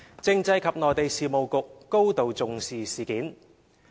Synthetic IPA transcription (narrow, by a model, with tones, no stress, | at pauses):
t͡sɪ˧ŋt͡sɐ˧jkʰɐ˨p̚nɔː˨˩jt̪e˨jsiː˨mo˨wkʊ˨kːo˥wt̪o˨wt͡sʊ˨ŋsiː˨siː˨˩kiː˨˥n